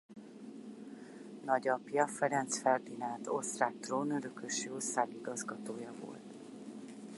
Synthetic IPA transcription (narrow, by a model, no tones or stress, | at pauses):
nɒɟɒpjɒfɛɾɛnt̪sfɛrd̪inaːlt̪o̞st̪raːk̚t̪roːnøɾøkøʃiorsaːɡiɡɒzɡɒt̪oːjɒvo̞̰lt̪